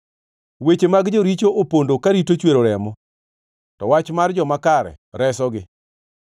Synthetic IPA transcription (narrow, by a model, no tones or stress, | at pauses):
wet͡ʃemaɡd͡ʒoɾit͡ʃoopondokaɾitot͡ʃweɾoɾɛmɔ | tɔwat͡ʃmard͡ʒɔmakaɾɛ̰ɾɛsɔɡɪ